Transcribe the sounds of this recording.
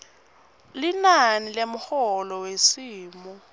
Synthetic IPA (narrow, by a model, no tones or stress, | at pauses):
linanilemʊhɔlɔwesiːmɔ